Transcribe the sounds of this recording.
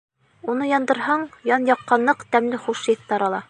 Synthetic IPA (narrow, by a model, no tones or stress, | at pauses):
unɤjɒnd̪ɤ̆ɾhɑɴjɑnjɑqːɑnːɤqt̪æmlɘχuʃɤθt̪ɑɾɑlˠɑ